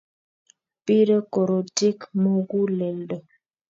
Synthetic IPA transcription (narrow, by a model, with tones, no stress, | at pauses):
pi˦ɾə˦kɔ˨ɾo˨ti˦kmo˨ɡu˦lɛ˨ldə˨